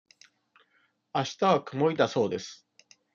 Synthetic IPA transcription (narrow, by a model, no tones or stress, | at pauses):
aɕi̥t̪aβakɯ̟mo̞id̪aso̞ːd̪e̞sɨ̥